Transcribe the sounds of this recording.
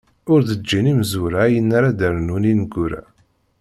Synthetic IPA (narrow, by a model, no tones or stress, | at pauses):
ʊɾðəd͡ʒːinimzuɾaːjənːaɾad̪əɾnuninəɡːuɾa̰